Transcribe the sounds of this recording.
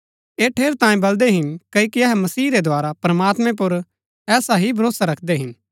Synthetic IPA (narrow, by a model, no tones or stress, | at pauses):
eːʈʰeːɾt̪ãːĩbɐld̪eɦɪnkɐikiɐɦɛmɐsiːɾed̪ʱʊaːɾapɾɐmaːt̪mẽp̬ʊɾ | ɛːsaɦibʱɐɾoːsaɾɐkʰd̪eɦɪn